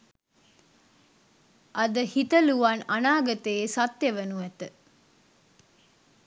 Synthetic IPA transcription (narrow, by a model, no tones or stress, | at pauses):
ʔɐd̪əhit̪əluʋanɐnaːɡɐt̪eːsɐt̪ːjeʋɐnuʋɛt̪ə